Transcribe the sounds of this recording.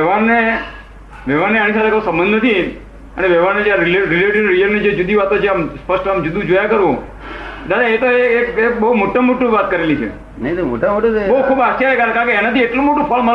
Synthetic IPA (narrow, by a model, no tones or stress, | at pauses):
ɛʋaɾːe | ʋɛʋanːeañisat̪ʰekəũsə̃mbə̃nd̪nət̪ʰi | əneʋɛʋaɾned͡ʒjaɾileɾileʈiɖɾiəlnid͡ʒed͡ʒud̪iʋat̪ot͡ʃʰeamspəsʈamd͡ʒud̪ũd͡ʒojakəɾʋõ | t̪aɾeːt̪oeekebəumoʈːəmoʈːuʋat̪kəɾelit͡ʃʰḛ | nəit̪omo̰ʈamoʈobəɦukʰuːbat͡ʃaɾekaɾkãkeenat̪ieʈlũmoʈũpʰəlma